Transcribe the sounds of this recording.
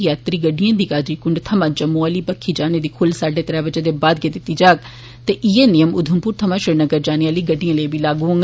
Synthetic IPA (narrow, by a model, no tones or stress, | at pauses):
jaːt̪ɾiːɡəɖijãːd̪iːkaːd͡ʒɾiːkʊɳɖt̪ʰəmãːd͡ʒəmuaːliːpəkʰːiːd͡ʒaːneːd̪iːkʰʊlsaːɖeːt̪əɾɛːbəd͡ʒəːd̪eːbaːd̪̚ɡeːd̪ɪt̪ːiːd͡ʒaːɡ̚ | t̪eːʔiːeːnɪjəmʊd̪ʱəmpuːɾt̪ʰəmãːʃɾɪɽnəɡəɾd͡ʒaːnejãːliːɡəɖːijãːləibiːlaːɡuːə̃ŋ